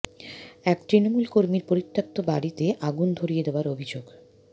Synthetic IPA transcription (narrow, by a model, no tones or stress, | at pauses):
ɛkt̪ɾinomulkoɾmiɾpoɾit̪ʰːak̚t̪obaɽit̪eʔaɡund̪ʱoɾijed̪eoaɾobʱid͡ʑoɡ